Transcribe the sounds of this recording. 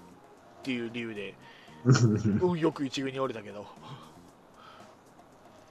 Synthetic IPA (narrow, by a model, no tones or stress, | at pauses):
t̪ːe̞jɯ̟ːɾʲijɯ̟ːd̪e̞ | ɯ̟̃jo̞kɯ̟it͡ɕiɡɯ̟ɲ̟ioɾʲet̪ake̞d̪o̞